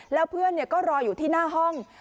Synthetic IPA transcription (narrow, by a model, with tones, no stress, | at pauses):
lɛː˦˥wpʰɯ˥˩ənːi˥˩əkɔː˥˩ɾɔː˧juː˨˩t̪ʰiː˥˩naː˥˩ɦɔ˥˩ŋ